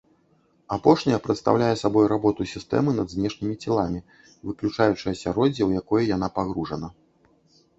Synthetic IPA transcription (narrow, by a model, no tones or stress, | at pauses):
apɔʂnʲɐjɐpɾɐt̪st̪a̰wlʲajɛsabɔjɾabɔt̪usʲist̪ɛ̰mɨnɐd̪zʲnʲɛʂnʲɨmʲit͡sʲɛlˠamʲi | vɨklʲut͡ʂajut͡ʂɨjɐsʲaɾɔd͡zʲɛwjakɔjɐjanapaɣɾuʐɐnɐ